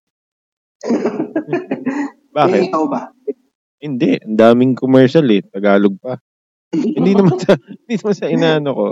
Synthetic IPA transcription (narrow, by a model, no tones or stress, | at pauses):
baːkɪt̪̚ɐba | hɪnd̪ɛʔʔɐnd̪aːmɪŋkomɛɹʃɐlɛt̪ɐɡaːloɡ̚pɐ | hɪnd̪inɐmansɐhɪnd̪inɐmansɐʔɪnaːɐnoko̞